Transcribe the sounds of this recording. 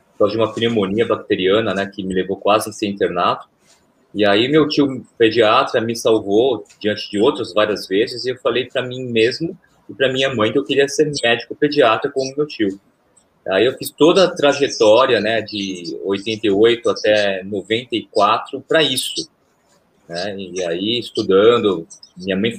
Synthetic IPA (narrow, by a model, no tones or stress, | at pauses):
kazd͡ʒɪũmɐfilemõniɐbak̚t̪eɾiɐ̃nɐnɛkɪmɪlevowkwazɪẽsẽĩnt̪eɾnat̪ʊ̥ | ɪaimewt͡ʃiʊped͡ʒiat̪ɾɐmɪsawvod͡ʒiɐ̃nt͡ʃɪd͡ʒɪowt̪ɾɐzvaɾiɐzvezɪzɪewfalejpɾɐmĩmezmʊ | ɪpɾɐmĩɲɐmɐ̃j̃ewkɪɾiɐseɾmɛd͡ʒikʊped͡ʒiat̪ɾɐkõʊmewt͡ʃiʊ | aiewfist̪od̪ɐt̪ɾaʒet̪ɔɾiɐnɛd͡ʒɪojt̪ẽnt̪ejojt̪ʊat̪ɛnovẽnt̪ɐikwat̪ɾʊpɾɐisʊ | nɛaiɪst̪ud̪ɐ̃nd̪ʊmĩɲɐmɐ̃j̃